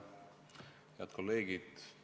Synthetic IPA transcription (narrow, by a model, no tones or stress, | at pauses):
hjeɑt̪̚ko̞lːe̞ːɡ̥id̪̥